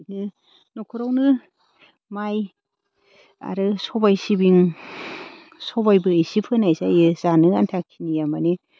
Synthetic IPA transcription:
nɯ | nɔkʰuɾawnɯ | maj | a̰ɾɯsɔbajsibiŋ | sɔβajbɯisipʰɯnajsajɯzanɯantʰakʰinijamani

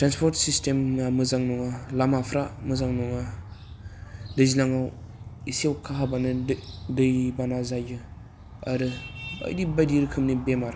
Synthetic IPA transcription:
tɾanspʰɔɾtsistemnamɯzaŋnɔŋalamapʰɾamɯzaŋnɔŋa | dɯzilaŋawisiawkʰaɦabanɯdɯjbanazajɡɯ | aɾɯa̰jdibajdiɾkʰɯmnibemaɾ

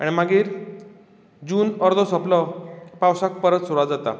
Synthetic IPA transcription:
a̰ɽ̃imaɡiːɾ | d͡ʑuːnɔɾd̪ʱɔsɔplɔpawsak̚pəɾət̪suɾɽad͡zat̪a̰

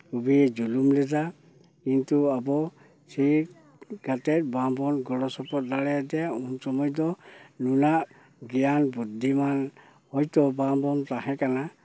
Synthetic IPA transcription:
kʰubid͡ʒulumlɛza | kintuabɔ | si | ɡ̥ʱatɛt̚babɔnɡɔlɔsɔpɔt̚dalɛjadɛjaunsɔmɔjdɔnunaʔ | ɡijanbudʱiman | hɔjtɔbambɔntaɦɛkana

